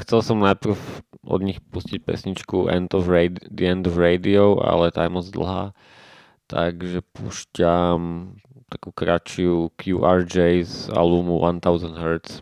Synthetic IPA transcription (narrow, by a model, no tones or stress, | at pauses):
xt͡sɛlsɔmnajpr̩fʔɔ̰d̪ɲixpuscic̚pɛ̰sɲit͡ʃkuʔɛ̰nd̪ɔfɾɛd̪iɛnd̪ɔvɾɛd̪iɔʊʔa̰lɛt̪a̰jmɔzd̪l̩ɦa̰ː | t̪aɡʒɛpṵʃcam | t̪akuːkɾat͡ʃiukʰjuːʔaːɾd͡ʒɛjza̰luːmuʋʔant̪aʊzand̪ɦɛɾt̪s